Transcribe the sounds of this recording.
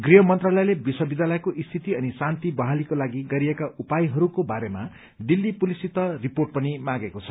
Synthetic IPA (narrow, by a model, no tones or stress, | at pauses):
ɡriɦʌmʌnt̪ralʌjlebiswʌbid̪alʌjkoʔist̪ʰit̪iʌnisant̪ibʌɦalikolaɡiɡʌɾiekaʔupajɦʌɾukobaɾema | ɖilːipulisit̪ʌriporʈ̚pʌnimãɡekot͡sʰʌ̥